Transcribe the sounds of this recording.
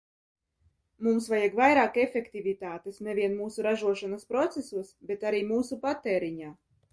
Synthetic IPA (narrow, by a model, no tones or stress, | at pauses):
mumsvajaɡvajɾaːkefʲekt̪ivʲit̪aːt̪esnɛvʲiɛnmuːsuɾaʒuɔʃanaspɾɔt̪sesuɔsbet̪aɾiːmuːsupat̪ːeːɾiɲaː